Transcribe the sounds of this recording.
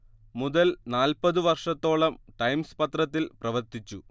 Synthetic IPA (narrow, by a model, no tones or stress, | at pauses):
muðɐlnaːlpɐðɨʋɐrʂɐt̪ːo̞ːɭɐmʈɐjmspɐt̪rɐt̪̬ːilprɐʋɐrt̪it͡ɕːu